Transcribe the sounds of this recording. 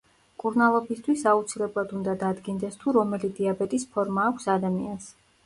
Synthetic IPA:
kʼuɾnalˠɔbist̪ʰwisaut̪sʰilɛblˠad̪und̪ad̪ad̪ɡind̪ɛst̪ʰuɾɔmɛlid̪iabɛt̪ʼispʰɔɾmaːkʷʰsad̪amians

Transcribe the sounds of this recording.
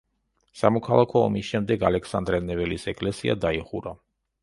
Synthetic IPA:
samɔkʰalˠakʰɔ̰ːmisʃɛmd̪ɛɡalɛksand̪ɾɛnɛvɛlisɛkʼlɛsia̰d̪aiχuɾa

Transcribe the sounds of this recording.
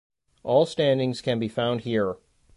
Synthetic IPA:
ʔɔlˠstæ̃ndɪ̃ŋz̥kʰɨ̃nbifãʊ̃nd̚hiɹ

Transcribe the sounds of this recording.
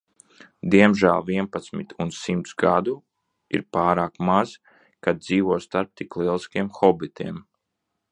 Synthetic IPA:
d̪iɛmʒæ̰lˠviɛnpat̪smḭt̪unsimt̪sɡad̪u | ḭɾpaːɾaːkmaz | kad̪̚d̪ziːʋuɔːst̪aɾp̚t̪iklˠiɛlˠiskʲiɛmxɔbit̪ʰiɛm

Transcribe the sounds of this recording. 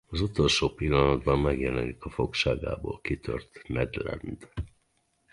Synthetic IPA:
ɒzut̪o̞lʃoːpilːɒnɒd̪bɒmːɛɡjɛlɛnikɒfo̞kʃaːɡa̰ːbo̰ːlkit̪ʰø̰rt̪nɛd̪lɛ̰nd̪

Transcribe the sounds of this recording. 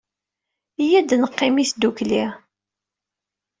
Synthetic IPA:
ijæd̪nəqːɪmisd̪ukli

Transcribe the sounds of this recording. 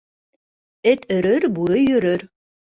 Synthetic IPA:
ɘt̪ɵ̆ɾɵɾbuɾɤjɵ̆ɾɵɾ

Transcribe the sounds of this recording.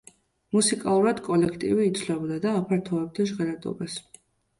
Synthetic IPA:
musikʼalˠuɾad̪kʼɔlɛkʰt̪ʼḭviːt̪sʰlɛbd̪ad̪aːpʰaɾt̪ʰɔɛb̚d̪aʒʁɛɾad̪ɔ̰bas

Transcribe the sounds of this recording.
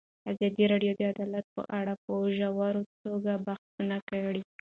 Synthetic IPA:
azɑd̪iɾɑɖjod̪əad̪ɑlat̪̚pə̰ʔaɽapəʒawaɾot̪oɡabaxtunakaɽi

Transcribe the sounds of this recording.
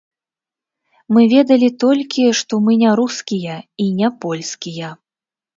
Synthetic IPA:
mɨvʲɛd̪ɐlʲit̪ɔlʲkʲiʂt̪ɔmɨnʲaɾuskʲijɐinʲapɔlʲskʲijɐ

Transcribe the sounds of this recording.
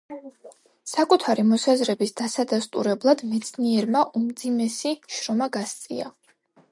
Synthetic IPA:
sakʼut̪ʰaɾimɔsazɾɛbisd̪asad̪ast̪ʼṵɾɛblˠad̪mɛt̪sʰniɛɾmaʔumd̪zimɛsiʃɾɔmaɡast̪sʼḭa

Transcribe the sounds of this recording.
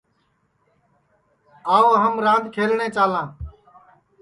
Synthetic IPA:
aːoːɦəmɾãːnd̪kʰeːlnẽːt͡ʃaːlãː

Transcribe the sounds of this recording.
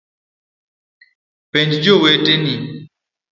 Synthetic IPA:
pɛɲd͡ʒd͡ʒoweteni

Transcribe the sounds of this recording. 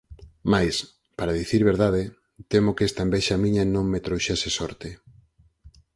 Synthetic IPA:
majs | paɾaðiθiɾβeɾðaðɪ | t̪emokest̪ɐembɛʃamĩɲɐnõŋmet̪ɾowʃesesɔɾt̪ɪ

